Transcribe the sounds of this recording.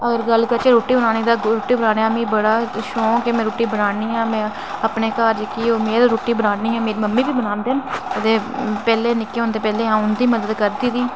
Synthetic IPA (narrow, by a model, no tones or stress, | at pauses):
əɡəɾɡəlːkət͡ʃeːɾoːʈiːbənaːniːd̪aːɾoːʈiːbənaːneːaːmĩːbəɽaːʃõːkɪmɛ̃ːɾoːʈiːbənaːniːãːmɛ̃ː | apneːkaːɾd͡ʒəkiːoːmeːɾɾoːʈiːbənaːniːãːmeːɾiːməmːĩːbiːbənãːnd̪eːnət̪eːpɛːleːnɪkːeːɦoːnd̪eːpɛːleːɦãːʊnd̪iːməd̪əd̪kəɾd̪iːd̪iː